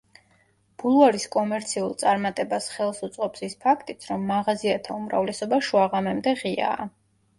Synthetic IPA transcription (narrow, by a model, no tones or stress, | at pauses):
b̥ulˠaɾiskʼɔmɛɾt̪sʰiulˠt̪sʼaɾmat̪ʼɛbasχɛlˠsut̪sʼqʼɔpsispʰakʰt̪ʼit̪sʰɾɔmːaʁaziat̪ʰaumɾa̰vlɛsɔbaʃuaʁamɛmd̪ɛʁia̰ː